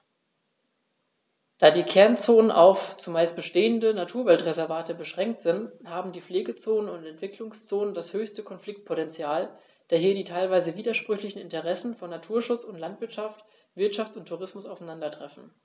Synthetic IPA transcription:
d̥aːdiːkʰɛɐnt͡soːnənʔa̰ʊft͡sumaɪst̚b̥əʃteːəndənatʰuːɐvɛltʁezɛɐvaːtəbəʃʁ̥ɛŋk̚tz̥ɪnthaːbm̩diːfleːɡət͡soːnənʊntɛntv̥ɪklʊŋst͡soːnəndashøːçstəkʰɔnflɪk̚t̚pʰotɛnt͡sjaːl | d̥aːɐɦiːɐdiːtʰaɪlvaɪzəviːdɐʃpʁ̥ʏçlɪçn̩ɪntəʁɛsn̩fɔnːatʰuːɐʃʊt͡sʊntlantv̥ɪtʃaft | v̥ɪɐtʃaftʊntʰːuʁɪsmʊsaʊfanandɐtʁ̥ɛfn̩

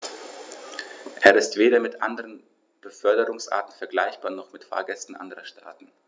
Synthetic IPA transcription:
ʔeːɐɪstv̥eːɾɐmɪtʔa̰ndəʁən | b̥əfœɐdəʁʊŋsʔa̰ːtn̩fɛɐɡlaɪçb̥aːɐnɔχmɪtfa̰ːɐɡɛstn̩ʔa̰ndəʁɐʃta̰ːtn̩

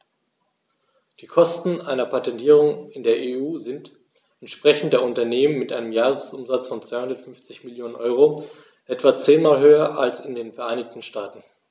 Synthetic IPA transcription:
d̥iːkʰɔstn̩ʔaɪnɐpʰatɛntʰiːʁʊŋɪndeːɐʔeːuːzɪnt | ɛntʃpʁ̥ɛçn̩t̚d̥eːɐʊntɐneːmənmɪtʔaɪnəmjaːʁəsʔʊmzat͡sfɔnt͡sv̥aɪhʊndɐtfʏnft͡sɪçmɪljoːnənʔɔʏʁ̞o | ʔɛtv̥at͡seːnmaːlɦøːɐʔalsɪndeːnfɛɐʔaɪnɪçtn̩ʃtaːtn̩

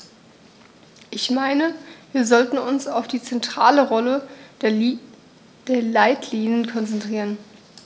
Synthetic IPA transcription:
ʔɪçmaɪnəviːɐzɔltn̩ʊnsaʊfd̥iːt͡sɛntʁ̥aːləʁɔlə | d̥eːɐlaɪtʰliːnənkʰɔnt͡sɛntʁ̥iːʁən

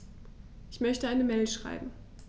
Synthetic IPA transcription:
ʔɪçmœçtəaɪnəmɛɪlʃʁ̥a̰ɪbm̩

